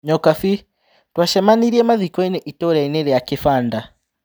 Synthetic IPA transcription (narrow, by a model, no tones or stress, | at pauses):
ɲɔkafi | twaʃɛmaniɾiɛmaðikɔinɛʔitɔɾɛinɛɾɛjakɪfanda